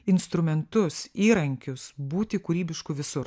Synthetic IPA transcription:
ɪnst̪ɾʊmʲɛnt̪ʊsiːɾɐŋʲkʲʊsbuːt̪ʲɪkuːɾʲiːbʲɪʃkʊʋʲɪsʊɾ

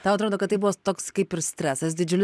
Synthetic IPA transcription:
t̪ɐːɐt̪ɾoːd̪oːkɐt̪t̪ːɐɪbuʋoːt̪oːkskɐɪpɪɾsʲt̪ʲɾʲæːsɐsd̪ʲɪd͡ʒʲʊlʲ

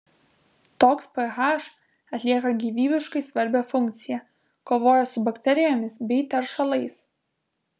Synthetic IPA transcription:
t̪oːkspɛɣɑʃ | ɐt̪ʲlʲiɛkɐɡʲiːʋʲiːbʲɪʃkɐɪsʋɐɾʲbʲɛfʊŋʲk̚t̪sʲɪjɛ | koːʋoːjɛsʊbɐkt̪ʲɛɾʲɪjoːmʲɪsbʲɛɪt̪ʲɛɾʃɐlˠɐɪs

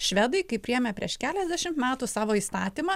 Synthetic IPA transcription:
ʃʲʋʲæd̪ɐɪkɐɪpʲɾʲɪjɛmʲepʲɾʲiɛʃkʲæːlʲɛzʲd̪ʲæʃʲɪmt̪mʲæːt̪usɑːʋoːiːst̪ɑːt̪ʲiːmɐ

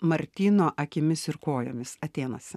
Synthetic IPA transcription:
mɐɾʲt̪ʲiːnoːʔɐkʲɪmʲɪsɪɾkoːjoːmʲɪsɐt̪ʲeːnɐsʲ

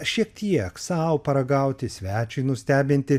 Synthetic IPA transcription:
ʃʲiɛk̚t̪ʲiɛksɑʊpɐɾɐɡɐˑʊt̪ʲɪsʲʋʲæːt͡ʃʲʊɪnʊsʲt̪ʲæːbʲɪnʲt̪ʲɪ

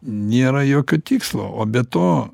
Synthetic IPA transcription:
nʲeːɾɐjoːkʲoːt̪ʲiːkslˠo̰ːʔoːbʲɛt̪oː

